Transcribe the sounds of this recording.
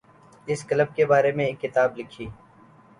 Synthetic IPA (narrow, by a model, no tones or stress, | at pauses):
ɪskələb̚kebaːɾemẽeːkːɪt̪aːblɪkʰiː